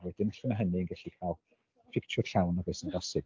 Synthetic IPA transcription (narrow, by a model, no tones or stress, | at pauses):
wɛd̥ɪnəɬəmaɦəninɡɛɬikʰalˠ | fɪk̚t͡ʃʰʊ̥ɬawnɔvɪsənɡɔsɪɡ